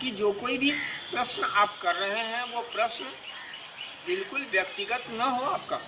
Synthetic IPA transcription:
kid͡ʒoːkoːibʱipɾɐʃnaːp̚kɐɾːɐɦeɦɛ̃ʋopɾɐʃn | bɪlkʊlʋjɐkt̪ɪɡət̪nɐɦoaːp̚kaː

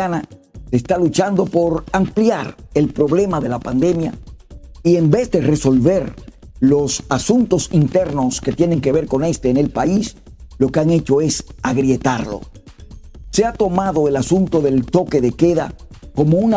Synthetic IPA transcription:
anasest̪alut͡ʃand̪o̞po̞ɾampljaɾe̞lpɾo̞βle̞maðe̞lapand̪e̞mja̰ | ie̞mbe̞zd̪e̞re̞so̞lβe̞ɾ | lo̞sasunt̪o̞sint̪e̞ɾno̞sket̪je̞ne̞ŋke̞β̞e̞ɾko̞ne̞st̪eːne̞lpais | lo̞keaŋe̞t͡ʃo̞e̞saɣɾje̞t̪aɾlo̞̰ | seat̪o̞maðo̞e̞lasunt̪o̞ðe̞lt̪o̞ke̞ðe̞ke̞ða̰ | ko̞mouna

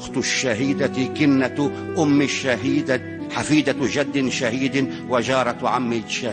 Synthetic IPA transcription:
xt̪ʃːaɦiːd̪akɪnːa | ʔʊmːɪʃaɦiːd̪ | ħafiːd̪aʒad̪ːɪʃahiːd̪ | wad͡ʒɑːɾˤɑt̪ʕamːɪlʃa

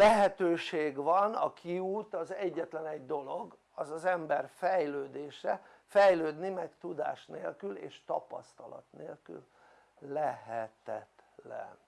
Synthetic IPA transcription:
lɛɦɛt̪øːʃeːɡvɒnɒkʰiuːt̪ɒzɛɟːɛt̪lɛnɛɟd̪o̞lo̞ɡ | ɒzɒzɛmbɛrfɛjløːd̪eːʃɛfɛjløːd̪nimɛkt̪ud̪a̰ːʃnḛːlkylḛːʃt̪ɒpɒ̰st̪ɒlɒ̰t̪neːlky̰l | lɛɦɛt̪ɛt̪lɛ̰n

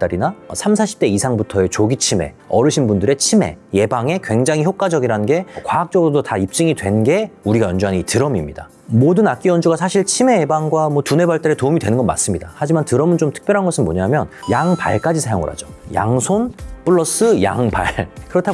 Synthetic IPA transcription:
t͈aɾinaʌ̰sʰamsʰaɕʰi̥p̚t͈e̞isʰaŋbutʰʌe̞t͡ɕoɡit͡ɕʰime̞̰ | ʌɾɯɕʰinbundɯɾe̞t͡ɕʰime̞̰je̞baŋe̞kwe̞ŋd͡ʑaŋɦiçjok͈wad͡ʑʌɡiɾaɯnɡe̞kwaak̚t͡ɕ͈ʌɡɯɾodotaip̚t͡ɕ͈ɯŋidwe̞nɡe̞uɾiɡajʌnd͡ʑuɦanitɯɾʌmimɲida | modɯnak͈̚iʌnd͡ʑuɡasʰaɕʰiɭt͡ɕʰime̞ːbaŋɡwamwʌtune̞baɭt͈eɾetoumidwe̞nɯnɡʌnmːa̰s͈ɯmɲidahad͡ʑimantɯɾʌmɯnt͡ɕomtʰɯ̥k̚pjʌɾɦanɡʌsʰɯnmo̰ɲamjʌnjaŋpa̰ɭk͈ad͡ʑisʰajoŋʌ̰ɾɦa̰d͡ʑoja̰ŋsʰonp͈uɭːʌs͈ɯja̰ŋpa̰ɭkɯɾʌtʰa

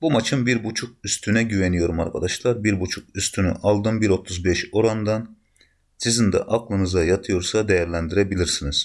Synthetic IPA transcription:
bumat͡ʃʰɯmbiɾbut͡ʃʰuk̚yst̪ʰynɛɟyvenijo̞ɾumaɾkʰad̪aʃlˠaɾbiɾbut͡ʃʰuk̚yst̪ʰyny̰ʔalˠd̪ɯmbiɾo̞t̪ʰuzbɛʃo̞ɾand̪an | sizind̪ɛ̰ʔaklˠɯnɯzajat̪ʰɯjo̞ɾsad̪ejæɾlʲænd̪iɾebilʲiɾsiniz̥

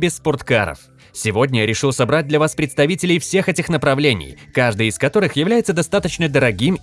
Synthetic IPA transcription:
bʲɪsːpʊrt̪kaɾə̰f | sʲɪvo̞dʲnʲəjaɾʲɪʂɨlˠsɐbɾat̚ʲd̪lʲɐvaspɾʲɪt̪st̪ɐvʲitʲɪlʲɪjfsʲe̞xɛtʲɪxnəpɾɐvlʲenʲɪ̰jkaʐd̪ɨjɪskɐt̪o̞ɾɨxjɪvlʲæjɪt̪səd̪ɐst̪at̪ət͡ɕnəd̪əɾɐɡʲim

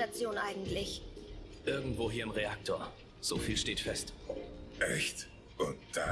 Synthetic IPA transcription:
at͡sjoːnʔaɪɡŋ̩tlɪçʔɪɐɡŋ̩tv̥oːɦiːɐɪmʁeak̚tʰoːɐ | z̥oːfiːlʃteːtfɛstʔɛçt | ʊnt̚d̥a

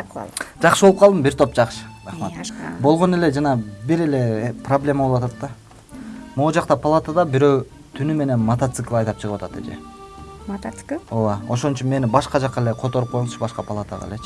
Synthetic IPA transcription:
d͡ʒɑqʃɯbolˠup̚qɑlˠd̪ɨmbiɾt̪ʰo̞pd͡ʒɑqʃɯ̥ɾɑχmat̪bo̞lˠʁo̞ne̞le̞d͡ʒɑnɑbiɾe̞le̞problʲe̞mabowɑt̪ɑt̪ːɑ | mod͡ʒɑqt̪ɑpʰɐlˠat̪ad̪ɑbiɾø̞w | t̪ʰynyme̞ne̞nmɐt̪at̪sɨklˠɑjt̪ɑpt͡ʃʰɯʁɯwɑt̪ɑt̪ḛd͡ʒḛ | t̪kowao̞ʃo̞nt͡ʃynme̞nibɑʃqɑd͡ʒɑqːɑele̞qʰot̪o̞ɾup̚qʰojlˠut͡ʃʰʃbɑʃqɑpʰalˠat̪a̰ʁɑ̰let͡ʃʰ

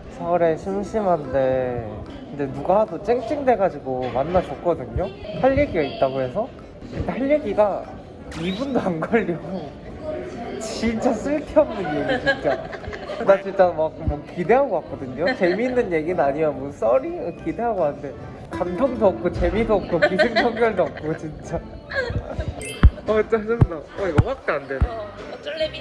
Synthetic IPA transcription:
sʰʌɾe̞ɕʰimɕʰimɦande̞ | kɯnde̞nuɡaɦadot͡ɕ͈eŋt͡ɕ͈iŋdwe̞ɡad͡ʑiɡomanːad͡ʑʌk̚k͈ʌdɯɲopʰaʎːeɡiɡait̚t͈aɡɯɾe̞sʰʌ | kɯnʰaʎːeɡiɡa | ibundoanɡʌɭːo | t͡ɕint͡ɕ͈as͈ʰɯɭtʰiʌm̚nɯnje̞ɡit͡ɕint͡ɕ͈a | nat͡ɕint͡ɕ͈amak͈omwʌkide̞ɦaɡoak͈ʌdɯɲot͡ɕe̞minːɯnje̞ɡinɯnaɲimjʌnmʌns͈ʌɾikide̞ɦaɡoɦanɯnde̞ | kamtʰoŋdʌp̚k͈ot͡ɕe̞midʌp̚k͈okideŋkʰʌŋɡjʌɭdʌp̚k͈t͡ɕint͡ɕ͈a | ʌt͡ɕ͈ad͡ʑʌdaʌiɡʌpak̚t͈eandenɯ

